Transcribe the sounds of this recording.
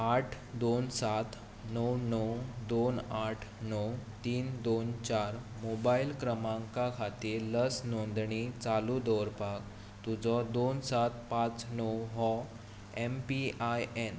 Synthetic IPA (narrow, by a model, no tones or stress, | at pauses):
aʈʰ | d̪onsat̪ | nəwnəwd̪onaʈʰnɔwt̪iːnd̪ont͡ɕaɾ | mobailkɾəmãŋkakʰat̪iːɾləsnɔnd̪ɳit͡salud̪ɔɾpak̚ | t̪ud͡zɔd̪onsat̪̚pãt͡snɔwɦɔ | empiajen